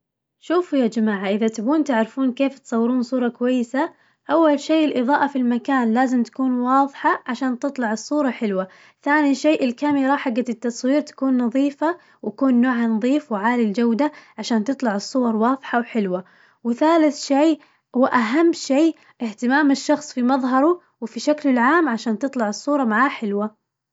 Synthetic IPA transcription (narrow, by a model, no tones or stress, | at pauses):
ʃuːfujaːd͡ʒamaːʕaʔɪðat̪abuːnt̪aʕɾfuːnkeːft̪sˤɑwːɪɾuːnsˤuːɾˤɑkʊwajːɪsa | ʔawːalʃeːʔɪlʔɨðˤɑːʔafilmakaːnlaːzɪmt̪ḁkuːnwɑːðˤħaʕaʃaːnt̪ɨt̪ˤlɑʕɨsˤːuːɾˤɑħɪlwa | θaːniʃeːʔɪlkamɪɾˤɑħaɡːat̪ɪt̪ːɑsˤwiːɾt̪ḁkuːnːɑðˤiːfa | wjakuːnːoːʕanɑðˤiːfwɪʕaːlild͡ʒawd̪aʕaʃaːnt̪ɨt̪ˤlɑʕɨsˤːʊwɑɾˤwɑːðˤħawħɪlwa | wɪθaːlɪθʃeː | hʊwːʔaɦamːʃeː | ʔɪht̪ɪmaːmɪʃːɑxsˤfimɑðˤɦɑɾˤu | wfiʃaklɪlʕaːmʕaʃaːnt̪ɨt̪ˤlɑʕɨsˤːuːɾˤɑmaʕaːħɪlwa